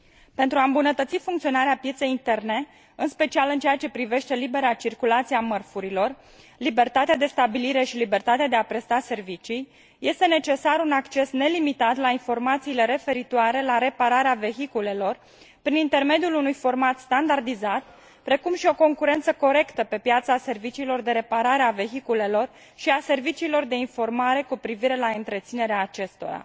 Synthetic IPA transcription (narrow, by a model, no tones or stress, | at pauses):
pe̞nt̪ɾuaɨmbunət̪ət̪sifuŋkt̪sio̞naɾeapje̞t̪se̞jint̪e̞rne̞ | ɨnspe̞t͡ʃialɨnt͡ʃeat͡ʃe̞pɾive̞ʃt̪e̞libe̞ɾat͡ʃirkulat̪siamərfuɾilo̞r | libe̞rt̪at̪ead̪e̞st̪abiliɾe̞ʃilibe̞rt̪at̪ead̪eapɾe̞st̪ase̞rvit͡ʃij | je̞st̪e̞ne̞t͡ʃe̞saɾunakt͡ʃe̞sne̞limit̪at̪lainfo̞rmat̪siːle̞ɾe̞fe̞ɾit̪oaɾe̞laɾe̞paɾaɾeave̞ɦikule̞lo̞r | pɾinint̪e̞rme̞d̪ijulunujfo̞rmat̪st̪and̪ard̪izat̪ | pɾe̞kumʃio̞ko̞ŋkuɾe̞nt̪səko̞ɾe̞kt̪əpe̞pjat̪sase̞rvit͡ʃiːlo̞rd̪e̞ɾe̞paɾaɾeave̞ɦikule̞lo̞r | ʃiase̞rvit͡ʃiːlo̞rd̪e̞info̞rmaɾe̞kupɾiviɾe̞laɨnt̪ɾe̞t̪sine̞ɾeaːt͡ʃe̞st̪o̞̰ɾa̰